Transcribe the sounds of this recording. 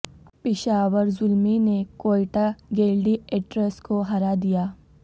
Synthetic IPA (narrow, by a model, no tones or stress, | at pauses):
pɪʃaːʋəɾzʊlminekoːjʈaɡeːlɖieʈɾəskoɦɐɾad̪ijaː